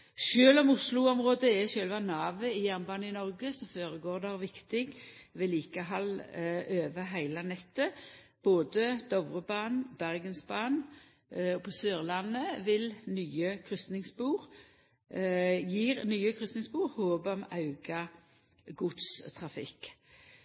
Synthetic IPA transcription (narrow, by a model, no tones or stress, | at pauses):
ʃøːlɔmʊslʊɔmʁoːd̪əɛʃøːlʋɑnɑːʋəɪjænbɑːnəɪnɔʁɡəsɔføːɾəɡoːʁd̪ɛæʁʋɪkt̪ɪɡʋɛːliːkəɦɑløːʋəɦæɪlɑnɛt̪ːəb̥oːd̪əd̪ɔʋʁəbɑːnbæʁɡənsbɑːn | ɔpʰɔsøːʁlɑnːəʋɪlnyːəkʰʁʏst̪nɪŋsbuːʁ | jiːʁnyːəkʰʁʏst̪nɪŋsbuːʁhoːbɔmɑʉɡɑ | ɡʊd̪st̪ʰʁɑfɪ̰k